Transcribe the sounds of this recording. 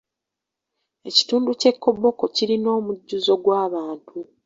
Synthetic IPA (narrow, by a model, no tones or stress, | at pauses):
e̞ci̥tuːnduce̞kːo̞bːo̞ko̞ciɾino̞ːmuɟːuzo̞ɡwaːβaːntu